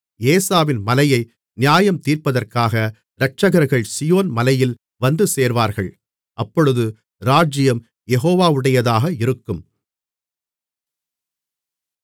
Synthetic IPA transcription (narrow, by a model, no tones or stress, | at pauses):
eːsaːʋɪnmɐlɐjɐɪ | nɪjaːjɐmt̪iːrpɐðɐrkaːɣɐ | ɾɐʈ̚t͡ʃɐɣɐɾɣɐɭsɪjoːnmɐlɐjɪl | ʋɐnd̪ɯseːɾʋaːɾɣɐɭ | ʔɐpːɔɻɯðɯ | ɾaːd͡ʒɪjɐm | jɛɦoːʋaːʋɯɽɐjɐðaːɣɐɪɾɯkːɯm